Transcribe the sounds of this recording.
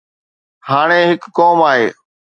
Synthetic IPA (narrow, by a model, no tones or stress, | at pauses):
haːɽ̃ẽɦɪkːɔːmaːɦḛː